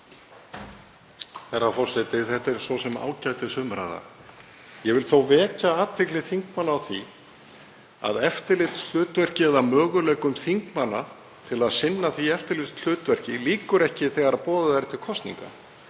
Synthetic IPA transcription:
θɛrːafɔr̥sɛt̪ɪθɛht̪ɛɾ̥svɔsɛma̰ːwcajt̪ɪsʏmɾa̰ða̰ | jɛvɪlθowvɛːcaaːt̪vɪklɪθiŋkmanːaːwθi | a̰ðɛft̪ɪɾlɪt̪sl̥ʏːt̪vɛr̥cɪɛðamœːɣʏlɛːjkʏmθiŋkmanːa | t̪ʰɪlaðsɪnːaθiɛft̪ɪɾlɪst̪l̥ʏːt̪vɛr̥cɪliːkʏɾɛhcɪθɛːɣaɾaðpɔːðʏðɛɾt̪ʰɪɾ̥kʰɔst̪nḭŋka̰

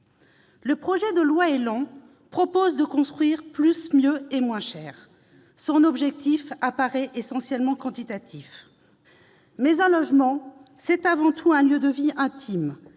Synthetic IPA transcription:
ləpχɔʒɛd̪əlwaelɑ̃ | pχɔpozd̪əkɔ̃st̪χɥiʁplysmjøemwɛ̃ʃɛːʁ | sɔ̃nɔbʒɛk̚t̪ifapaʁɛʔesɑ̃sjɛlmɑ̃kɑ̃t̪it̪at̪ʰif | mɛzɛ̃lɔʒmɑ̃sɛt̪avɑ̃t̪ʰuɛ̃ljød̪əviɛ̃t̪ʰim

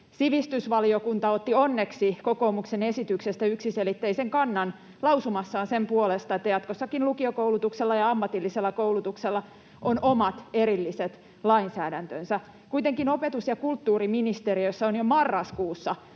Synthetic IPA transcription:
siʋist̪ysʋɑliokunt̪ɑot̪ːionːeksikokoːmuksenesit̪yksest̪æyksiselit̪ːeiseŋkɑnːɑn | lɑwsumɑsːɑːnsempuolest̪ɑet̪ːæjɑt̪kosːɑkinlukiokoulut̪ukselːɑjɑɑmːɑt̪ilːiselːɑkoulut̪ukselːɑ | ʔonʔomɑt̪eɾilːiset̪ | lɑinsæːdænt̪ønsæ | kuit̪eŋkino̞pet̪usjɑkult̪ːuːriminist̪eriosːɑonjomɑrːɑskuːsːɑ

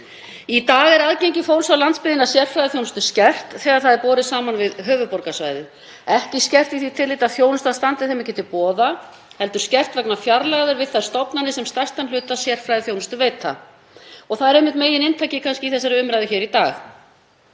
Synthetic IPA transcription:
it̪aːɣɛɾaðcejɲcɪfowɾsawlant̪spɪðɪnasjɛr̥fɾajðɪθjownʏst̪ʏ̥scɛr̥t̪θɛːɣaɾ̥θaðɛɾpɔːɾɪsaːmanvɪðɦœːvʏpɔɾkasva̰jðʏ | ɛhcɪscɛr̥t̪iθit̪ʰɪlɪːt̪aðθjownʏst̪aðst̪ant̪ɪθejmɛcɛːt̪ɪpɔːða | hɛlt̪ʏɾ̥scɛr̥t̪vɛknafjaɾlaɣðʏɾvɪðθaɾst̪ɔpnanːɪsɛmst̪ḁst̪anlʏːt̪asjɛr̥fɾajðɪθjownʏst̪ʏveːjt̪ʰːa̰ | ɔɣθaðɛɾehmɪht̪meːjɪnɪnt̪ʰajcɪkʰanscɪiθɛsːaɾɪʏmɾajðʏçɛːɾit̪aːx

